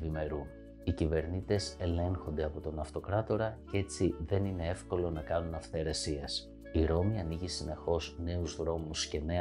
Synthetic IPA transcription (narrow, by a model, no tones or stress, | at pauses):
vime̞ɾun | icive̞ɾnit̪e̞se̞le̞ŋxo̞nd̪e̞ɐpo̞t̪o̞nɐft̪o̞kɾɐt̪o̞ɾɐcee̞t͡siðe̞nine̞e̞fko̞lo̞nɐkɐnunɐfθe̞ɾesies | iɾo̞miɐniʝisine̞xo̞zne̞uzðɾo̞musce̞ne̞